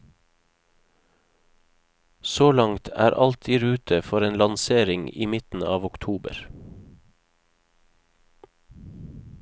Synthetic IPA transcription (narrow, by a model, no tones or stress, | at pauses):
soːlɑŋt̪ʰæ̰ːɾʔɑlt̪ʰiːɾʉːt̪ʰəfɔɾeːnlɑnseːɾɪŋḭːmɪt̪n̩ɑːʋʊkt̪ʰuːbə̰ɾ